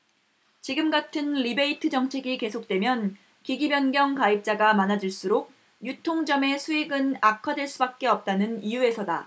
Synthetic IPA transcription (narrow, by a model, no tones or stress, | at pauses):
t͡ɕiɡɯmɡatʰɯnɾibe̞itʰɯd͡ʑʌŋt͡ɕʰe̞ɡike̞sʰok̚t͈we̞mjʌn | kiɡibjʌnɡjʌŋkaip̚t͡ɕ͈aɡamanad͡ʑiɭs͈uɾok̚ | jutʰoŋd͡ʑʌme̞sʰuiɡɯnakʰʌdweɭs͈ubak̚k͈e̞ʌp̚t͈anɯnijue̞sʰʌda